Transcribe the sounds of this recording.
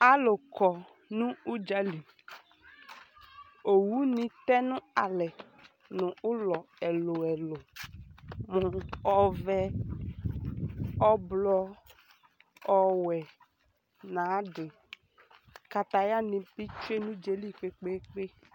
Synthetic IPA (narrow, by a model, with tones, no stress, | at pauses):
a˦lʊ˨kɔ˨ | nʊ̃˦u˦d͡ʒa˦li˨ | o˨wu˦nĩ˦tɛ˦nʊ̃˦a˨lɛ˨ | nʊ̃˨ʊ˦lɔ˨ɛ˨lʊ˨ɛ˨lʊ˨ | mʊ̃˨ɔ˦vɛ˦ | ɔ˦blɔ˧ | ɔ˦wɛ˨ | nã˨˦dɪ˨ | ka˨t̪a˨ja˦nĩ˧pi˦t͡ʃu˦e˦nʊ̃˦d͡ʒe˨li˦k͡pe˦k͡pe˦k͡pe˦